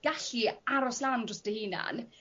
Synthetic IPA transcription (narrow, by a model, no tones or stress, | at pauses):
ɡ̥aɬiaɾɔslandrɔsd̥əhiːna̰n